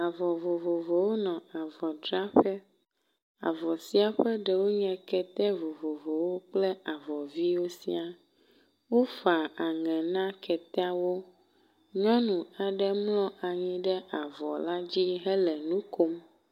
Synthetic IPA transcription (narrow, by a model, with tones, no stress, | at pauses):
a˨vɔ˨vo˨vo˨vo˨wo˦nɔ̃˨a˨vɔ˨ɖɾa˦ɸɛ˦ | a̰˨vɔ˨si˦a˨ɸɛ˦ɖɛ˨wo˦ɲɛ̃˨kɛ˨t̪ɛ˦vo˨vo˨vo˨wo˦k͡plɛ˦a˨vɔ˨vi˦wo˦sḭ˦a˨ | wo˦fa˨a˨ŋɛ̃˨nã˦kʰɛ˨t̪ɛ˦a˦wo˦ | ɲɔ̃˦nũ˨a˨ɖɛ˦mlɔ̃˦ʔa˨ɲĩ˦ɖɛ˦ʔa˨vɔ˨la˦d͡ʑi˦ɦɛ˦lɛ˨nũ˦ko˦m